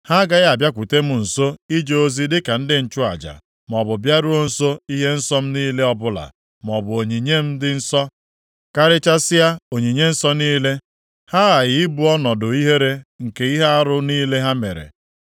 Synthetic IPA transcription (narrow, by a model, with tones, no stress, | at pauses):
ha˦ɡa˦ja˨bja˦kʷu˨te˦m̩˦˨n̩˨so˦i˦d͡ʒe˦o˦zi˦dɪ˦ka˨n̩˦dɪ˦n̩˨t͡ʃʊ˦a̰˨d͡ʒa̰˨ | m˨ɔ˨bʊ˨bja˦ɾʊ˦o˦n̩˦so˦i˦ɦe˦n̩˦sɔ˦m̩˦niː˦le˦ɔ˦bʊ˦la̰˨ | m˨ɔ˨bʊ˨o˨ɲi˨ɲe˦m̩˦dɪ˦n̩˦sɔ˦ | ka˦ɾɪ˦t͡ʃa˦sɪ˦ja˦o˨ɲi˨ɲe˦n̩˦sɔ˦niː˦le˦ | ha˦ɣa˨ɣɪ˨i˦bu˨ɔ˦nɔ˨dʊ˨i˦ɦe˦ɾe˦ŋ̩˨ke˨i˦ɦe˦a˦ɾʊ˦niː˦le˦ɦa˦me˨ɾḛ˨